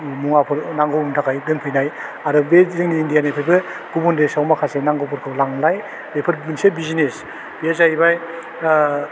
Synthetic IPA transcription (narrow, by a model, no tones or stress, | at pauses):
muŋapʰɯɾnaŋɡɯmtʰakʰajdɯŋpʰɯjnaj | aɾɯbezɯŋniːndijanajpʰɯjbɯ | ɡ̥ubundesawmakʰasenaŋɡɔpʰɔɾkʰɯwlaŋlaj | bepʰɯɾbɯnsebizines | b̥iezajbaj